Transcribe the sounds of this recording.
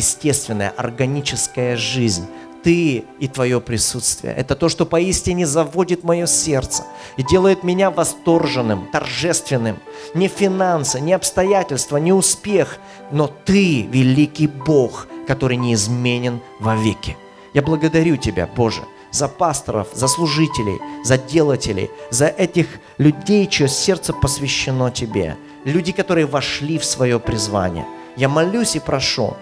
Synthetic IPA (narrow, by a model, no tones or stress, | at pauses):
jɪsʲtʲe̞st̪vʲɪnːəjə̰ʔɐ̰rɡɐnʲit͡ɕɪskəjəʐɨzʲnʲ | t̪ɨit̪vɐjo̞pɾʲɪsut̪st̪vʲɪ̰jə̰ʔɛt̪ət̪o̞ʂt̪o̞pɐisʲtʲɪnʲɪzɐvodʲɪt̪mɐjo̞sʲe̞rt̪sə̥ | idʲe̞lˠəjɪt̪mʲɪnʲavɐst̪o̞rʐɨnːɨmt̪ɐ̰rʐɛst̪vʲɪnːɨmnʲɪfʲɪnansɨnʲɪɐpst̪ɐjætʲɪlʲst̪vənʲɪʊspʲe̞x | no̞t̪ɨvʲɪlʲikʲɪjbo̞xkɐt̪o̞ɾɨjnʲɪːzmʲenʲɪn | vɐvʲekʲɪ | jablˠəɡəd̪ɐɾʲutʲɪbʲa̰bo̞ʐɨ̰ | zɐpast̪ə̰ɾə̰fzəslˠʊʐɨtʲɪlʲɪ̰jzɐdʲe̞lˠətʲɪlʲɪ̰jzɐʔɛtʲɪx | lʲʉdʲejt͡ɕɪjosʲe̞rt̪səpəsvʲɪɕːɪno̞tʲɪbʲḛ | lʲʉdʲɪkɐt̪o̞ɾɨjəvɐʂlʲifsvɐjo̞pɾʲɪzva̰nʲɪ̰jə̰ | jamɐlʲusʲɪpɾɐʂṵ